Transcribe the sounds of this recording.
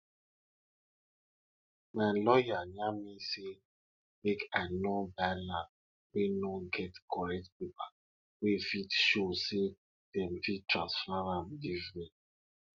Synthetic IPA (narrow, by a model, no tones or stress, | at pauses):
malɔjaɲamise | mekanɔbalã | wenɔɡɛtkʰɔɹɛk̚t̚pipa | wefitʃose | d̥ɛmfittɹãsfaɾamdivɾi